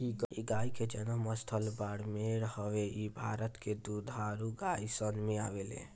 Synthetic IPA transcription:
iɡiɡaiked͡ʒənəməst̪ʰəlbaɽmeɾɦəʋeibʱaɾət̪ked̪ud̪ʱaɾuɡaisənmea̰ʋelḛ

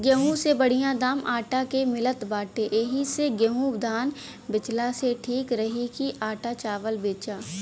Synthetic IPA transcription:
ɡjəɦũsebəɽ̤ijãd̪aːmʔaːʈakemɪlət̪baːʈeʔeɦiseɡjəɦũbd̪ʱaːn | bɪt͡ʃlaseʈʰiːkɾəɦikiʔaːʈat͡ʃaːʋəlbeːt͡ʃaː

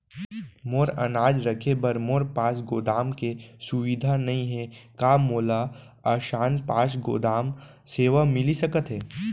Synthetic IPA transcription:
moːɾɐ̰naːd͡ʒɾɐkʰebɐɾmoːɾpaːsɡoːd̪aːmkesʊʋid̪ʱanɐɦĩɦɛkaːmoːla | ɐːʃaːnpaːʃ̬ɡo̰ːd̪aːm | seːʋamɪlisɐkət̪ɦɛː

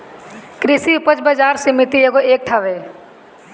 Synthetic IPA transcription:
kɾisiupət͡ʃbəd͡ʒaːɾsɪmit̪ieɡoeːk̚ʈʰaʋe

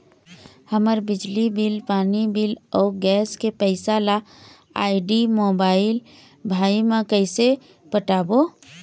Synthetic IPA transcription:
həməɾbɪd͡ʒlibilpaːnibilɔːɡɛːskepəɪsala | a̰ːɪɖimoːbaːɪl | bʱaːimãkəɪse | pəʈaːbo

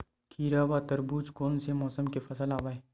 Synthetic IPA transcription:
kʰiːɾaʋat̪əɾbuːt͡ʃkoːnsemɔːsəmkefʰɐsəlaːʋaːe

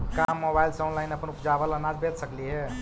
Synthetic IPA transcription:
kamːobailsəwnlainəpənupd͡ʒabələnad͡ʒbet̪səkliɦe

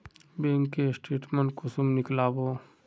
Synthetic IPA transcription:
beːŋkːesʈeːʈməɳʈ̚kʊsumnɪklaːbo

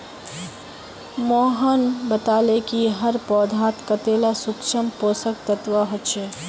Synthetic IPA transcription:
moːɦənbət̪alekiɦəɾpɔːd̪ʱat̪kət̪elasukʃʰəmpoːsək̚t̪ət̪ʋəɦotːt͡ʃʰe

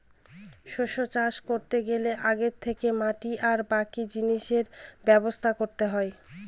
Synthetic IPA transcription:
ʃoʃot͡ɕaʃkoɾt̪eɡeleʔaɡeɾt̪ʰːekemaʈiʔaɾbakid͡ʑiniʃeɾbɛbost̪ʰakoɾt̪eɦɔe

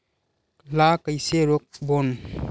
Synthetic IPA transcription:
lakajseɾɔk̚bɔn

